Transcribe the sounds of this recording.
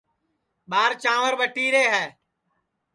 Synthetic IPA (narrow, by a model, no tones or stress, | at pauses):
ɓaːɾt͡ʃãːʋəɾɓəʈːiːɾeːɦɛː